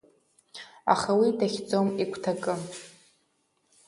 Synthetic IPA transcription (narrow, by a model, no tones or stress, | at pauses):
a̰χawitʰaχʲd͡zomikʷʰtʰakʼɨ